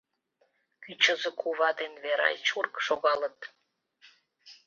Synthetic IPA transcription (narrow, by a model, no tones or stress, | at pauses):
kʲyt͡ɕə̆zĕkʰuβɑd̪enveɾɑ̰jt͡ɕurkʃoɣɑlə̆t̪